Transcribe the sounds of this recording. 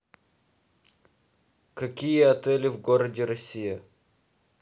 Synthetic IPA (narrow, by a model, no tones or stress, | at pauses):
kɐkʲijəɐt̪ɛlʲɪvɡoɾədʲɪɾɐsʲijə